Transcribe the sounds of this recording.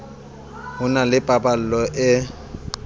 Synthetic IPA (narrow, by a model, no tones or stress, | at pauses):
hʊnalɪpʼapʼal̩lɔʔɪ